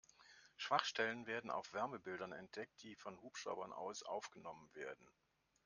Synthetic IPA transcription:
ʃv̥aχʃtɛlənveːɐdn̩a̰ʊfv̥ɛɐməbɪldɐnɛ̰nt̚d̥ɛk̚t̚d̥iːfɔnhuːpʃʁ̥a̰ʊbɐnʔa̰ʊsʔa̰ʊfɡ̥ənɔmənveːɐdn̩

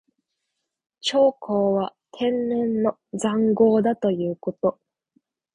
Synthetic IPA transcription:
t͡ɕo̞ːkʰoːβat̪ʰẽ̞nnẽnːo̞ | d͡zãŋɡo̞ːd̪at̪o̞jɯ̟ːko̞t̪o̞

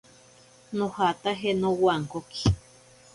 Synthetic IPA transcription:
nõhat̪aɦenõwaŋkoki̥

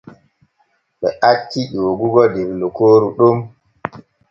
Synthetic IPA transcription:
ɓɛʔakːiʄoːɡuɡɔdeɾlukoːɾuɗum

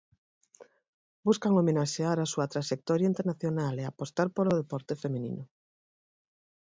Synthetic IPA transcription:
buskaŋomenaʃeaɾasuɐt̪ɾaʃek̚t̪ɔɾjaint̪eɾnaθjonaleapost̪aɾpoloðepɔɾt̪efemĩnḭnʊ

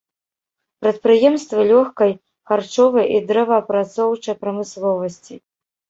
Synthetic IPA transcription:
pɾɐt̪̚pɾɨjɛmst̪vɨlʲɔxkɐj | xart͡ʂɔvɐjʔid̪ɾɛvɐːpɾat̪sɔwt͡ʂɐjpɾɐmɨslˠɔvɐsʲt͡sʲi

